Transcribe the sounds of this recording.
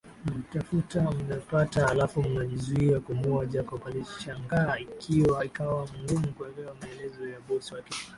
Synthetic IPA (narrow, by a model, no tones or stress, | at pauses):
m̩tafutam̩napataːlafumunaʄizuiakumuaʄakɔpaliʃaŋɡaikʰiwaikawamuŋɡumukuɛlɛwamaɛlɛzɔjaɓɔswakɛ